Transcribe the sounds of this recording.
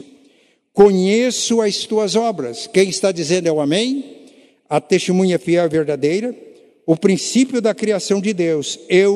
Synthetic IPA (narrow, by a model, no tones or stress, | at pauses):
kõɲesʊɐst̪uɐzɔbɾɐskẽj̃ɪst̪ad͡ʒizẽnd̪ʊɛwamẽj̃ | ɐt̪est̪emũɲɐfiɛwveɾd̪ad̪ejɾɐ | ʊpɾĩsipjʊd̪ɐkɾiasɐ̃w̃d͡ʒɪd̪ewsew